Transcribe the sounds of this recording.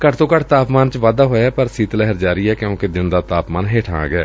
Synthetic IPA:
kəʈʰt̪õːkəʈʰt̪aːpmaːnt͡ʃʋaːd̪aːɦoːjaːpəɾsiːt̪lɛɦəɾd͡ʒaːɾiːɛːkjõːkɪd̪ɪnd̪aːt̪aːpmaːnɦeːʈʰã̰ːɡɛː

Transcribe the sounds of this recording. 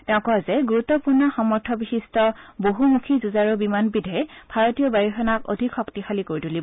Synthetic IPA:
tɛʊ̃kɔzɛɡuɹutːɔpuɹnɔxɔmɔɹtʰɔbixistɔboɦumukʰizuzaɹɔbimanbidʱɔɛb̥ʱaɹotijɔbajixɔnako̰dʱikxɔktixalikoɹitulib

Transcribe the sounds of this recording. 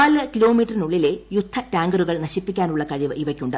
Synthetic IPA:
aːlɨkilo̞ːmiːʈːɐrinuɭːile̞jud̪ʱʰːɐʈaːŋɡɐɾuɣɐɭnɐɕipːikʲːaːnuɭːɐkɐɻiʋɨʔiʋɐkʲːuɳɖɨ

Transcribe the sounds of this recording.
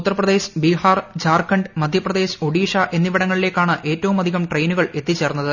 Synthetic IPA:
ut̪ːɐrɐprɐd̪e̞ːɕbiɦaːrd͡ʑaːrkːɐɳɖmɐd̪ʱjɐprɐd̪eːɕo̞ɽiːʂɐʔe̞nːiʋiɽɐŋːɐɭile̞ːkːaːɳɨʔe̞ːtːɐʋumɐd̪ʱiɣɐmʈrejnuɣɐɭe̞t̪ːit͡ɕːe̞ːrunːɐðɨ

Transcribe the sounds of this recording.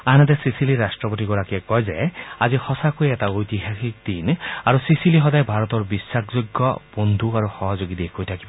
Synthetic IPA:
aɦanat̪ɛsisiliɹasʈɹɔpot̬iɡɔɹakiɛkɔjza̰jazixɔsakojɛtaojt̪iɦaxik̚d̪̥inaɹusisilixɔdajbʱaɹɔt̪ɔɹbisːakʰzoɡːɔb̥ond̪ʱuaɹuxɔɦɔzoɡid̪ekʰojtʰakibɔ

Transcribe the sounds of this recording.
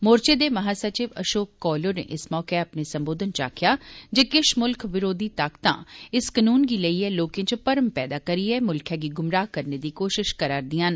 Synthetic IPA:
moːɾt͡ʃeːd̪eːməɦaːsət͡ʃɪʋə̰ʃoːkːɔːloːnḛːʔɪsmɔːkeəpneːsəmboːd̪ənt͡ʃa̰ːkʰjaːd͡ʒeːkɪʃmʊlkʰʋɪɾoːd̪iːt̪aːkt̪ã̰ːɪskənuːnɡiːləiːɛːloːkẽːt͡ʃpəɾəmpɛːd̪aːkəɾiːɛːmʊlkʰjãːɡiːɡʊmɾaːɦkəɾneːd̪iːkoːʃɪʃkəɾaːɾd̪ijãːn

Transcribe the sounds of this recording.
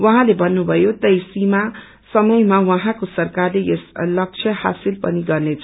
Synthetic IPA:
wʌɦãlebʱʌnːubʱʌjot̪ʌjsima | sʌmʌjmawʌɦãkosʌrkarleeslʌk̚t͡sʰjʌha̰silpʌniɡʌrnet͡sʰʌ

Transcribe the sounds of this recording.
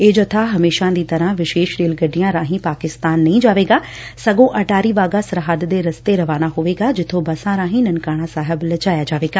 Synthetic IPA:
eːd͡ʒoːt̪ʰaɦɐmeːʃãd̪iːt̪ɐɾãʋɪʃeːʃɾeːlɡɐɖijãɾãːɦĩpaːkɪst̪aːnːɐĩd͡ʒaːʋeːɡaː | sɐɡõʔɐʈaːɾiʋaːɡasɐɾɦad̪d̪eɾɐst̪eɾɐʋaːnaɦʊʋeːɡad͡ʒɪt̪ʰobɐsãɾaːɦĩnɐnkaːɽ̃ãsaːɦɪblɐt͡ʃaːjad͡ʒaːʋeːɡaː

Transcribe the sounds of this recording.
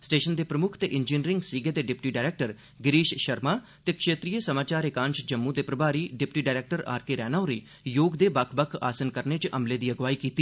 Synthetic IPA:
sʈeːʃənd̪eːpɾəmʊkʰt̪eːʔɪnd͡ʒiːnɾɪ̃ŋɡsiːɡeːd̪eːɖɪpʈiːɖaːɾeːk̚ʈəɾ | ɡɪɾiːʃʃəɾmaː | t̪eːkʃeːt̪ɾijəsəmaːt͡ʃaːɾekãːnʃd͡ʒəmːũːd̪eːpɾəbaːɾiːɖɪpʈiːɖaːɾeːk̚ʈəɾa̰ːɾkeɾɛːnaːoɾiː | joːɡd̪eːbakʰbəkʰa̰ːsənkəɾnet͡ʃʔəmleːd̪iːəɡʋaːiːkiːt̪iː

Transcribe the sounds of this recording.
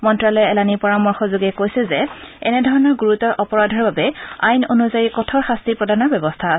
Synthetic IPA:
mɔntɹalɔjɛɛlanipɔɹamɔɹxɔzoɡɛkojsɛzɛɛ̰nɛdʱɔɹɔnɔɹɡuɹutɔɹʔɔpɔɹadʱɔɹbabɛajnonuzajikɔtʰɔɹxastipɹɔdanɔɹbɛbɔstʰas

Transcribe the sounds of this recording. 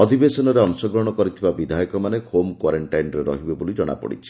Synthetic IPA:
ɔd̪ʱibesɔnɔɾeɔnsɔɡɾɔɽ̃ɔkɔɾit̪ʰibabid̪ʱajɔkɔmanehomkwaɾeɳʈajnɔɾeɾɔ̰ɦibebolid͡ʒɔɽ̃a̰pɔ̰ɽḭt͡ʃʰi̥

